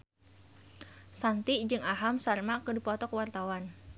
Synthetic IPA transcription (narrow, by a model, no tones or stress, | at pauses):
sant̪id͡ʒɨŋaɦamsarmakədipɔt̪ɔkəwart̪awan